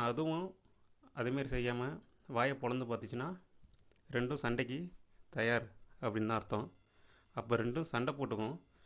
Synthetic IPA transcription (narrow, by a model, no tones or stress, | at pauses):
ɐðɯʋʊ̃ | ɐðɯmeːɾisɛjːaːmɐ | ʋaːjɐpɔɻɐnd̪ɯp̬aːɾt̪ɪt͡ʃːɯnːaː | ɾɛɳɖɯ̃sɐɳɖɐk̬ʲːit̪ɐjaːɾɐpːɐɽɪnːt̪ãːɪɾɯt̪ːõː | ɐpːoːɾɛɳɖɯ̃sɐɳɖɐpoːʈːɯkːʊ̃